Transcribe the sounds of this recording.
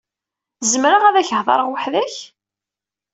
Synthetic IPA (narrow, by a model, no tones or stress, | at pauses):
zmɾaʁæðæçəhðˤɑ̰ɾˤəʁwəħðæç